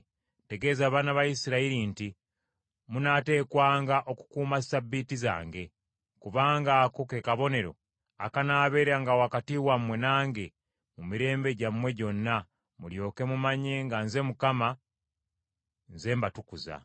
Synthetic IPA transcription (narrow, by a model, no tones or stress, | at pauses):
te̞ɡe̞ːzaːβaːnaβajisiɾaiɾinti | munaːte̞ːkwaːŋɡaʔo̞ku̥kuːmasabːitiza̰ːŋɡe̞ | kuβaːŋɡaːkoke̞kaβo̞ne̞ɾo̞̰ | a̰kanaːβe̞ːɾaŋɡawakatiwamwe̞naːŋɡe̞ | mumiɾe̞ːmbe̞ɟamwe̞ɟo̞nːa | muljo̞ːke̞mumaɲe̞ŋɡanze̞mukama | nze̞ːmbatukuza̰